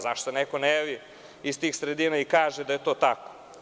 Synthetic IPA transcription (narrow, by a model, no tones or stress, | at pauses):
zaʃt̪onekonejaʋi | ist̪iːxsɾed̪inaikaːʒed̪ajet̪oːt̪ako̥